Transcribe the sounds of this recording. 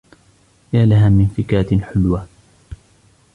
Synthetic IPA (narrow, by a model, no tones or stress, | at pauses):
jaːlaɦaːmɪnfɪkaːt̪ɪnħʊlwa